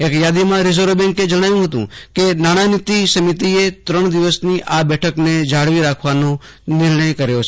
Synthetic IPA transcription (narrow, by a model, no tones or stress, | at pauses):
ekjad̪imãɾizoɾbɛ̃ŋked͡ʒəɽ̃ajũɦət̪ṵ̃kenaɽ̃anɪt̪isəmit̪iet̪ɾəɳ̃d̪iʋəsniʔabɛʈʰəkned͡ʒaɽʋiɾakʰʋano | nɪɾɳəjkəɾjot͡ʃʰ